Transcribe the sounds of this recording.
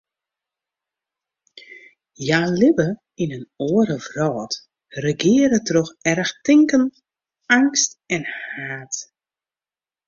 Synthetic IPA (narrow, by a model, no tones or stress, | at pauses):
jaːlɪbə | inənoːəɾəvrɔːt | rəɡɪəɾətroxɛrəxtɪŋkən | aŋstɛnhaːt